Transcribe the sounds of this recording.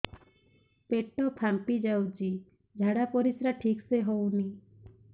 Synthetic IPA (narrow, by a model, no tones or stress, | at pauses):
peʈːɔpʰampid͡ʒawd͡ʒi | d͡ʒʱaɽapɔɾisɾaʈʰikseɦowni